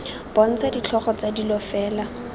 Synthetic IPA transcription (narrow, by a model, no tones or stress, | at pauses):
b̥ɔn̩t͡sadit͡ɬʰɔχɔt͡sadilɔfɛːla